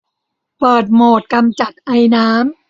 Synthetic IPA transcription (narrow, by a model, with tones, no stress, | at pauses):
pɤː˨˩t̪̚moː˨˩t̪̚ka˧mt͡ɕa˨˩t̪̚ʔa˧jnaː˦˥m